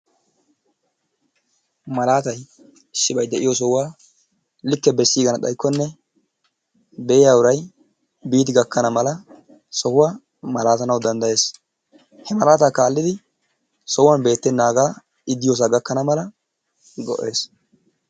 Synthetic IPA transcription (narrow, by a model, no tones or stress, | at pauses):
mɐlaːt̪ɐj | ʃːɪbɐjd̪ɛʔɪjɔs̬ɔwwaː | lɪkːɛbɛsːiːɡɐnɐɗ̪ɐ̰jkːɔnːɛ | bɛɪjaːʊɾɐj | biːt̪ɪɡɐkːɐnɐmɐlɐ | sɔhʊwaː | mɐlaːt̪ɐnɐwd̪ɐnd̪ɐje̞ːs | hɛmɐlaːt̪aːkaːlːɪd̪ɪ | sɔwaːnbe̞ːt̪ːɛnːaːɡaː | ɪd̪ːɪjoːs̬aːɡɐkːɐnɐmɐlɐ | ɡɔ̰ʔe̞ːs